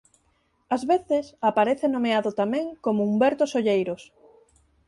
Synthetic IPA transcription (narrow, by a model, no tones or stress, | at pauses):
azβeθɪsapaɾeθenõmeaðʊt̪amɛ̃ŋkomʊumbɛɾt̪ʊsoʎejɾos